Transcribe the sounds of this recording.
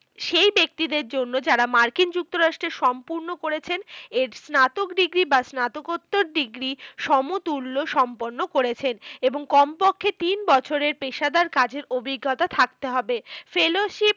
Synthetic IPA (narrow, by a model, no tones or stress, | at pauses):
ʃejbek̚t̪id̪eɾd͡ʑonːod͡ʑaɾamaɾkind͡ʑuk̚t̪oɾaʃʈɾeɾʃɔmpuɾnokoɾet͡ɕʰeneɾsnat̪okɖiɡɾibasnat̪okot̪ːoɾɖiɡɾiʃɔmut̪ulːoʃɔmpoɾnːokoɾet͡ɕʰeneboŋkɔmpokʰːet̪inbɔt͡ɕʰoɾeɾpeʃad̪aɾkad͡ʑeɾobʱiɡʱːat̪at̪ʰak̚t̪eɦɔbefeloʃip̚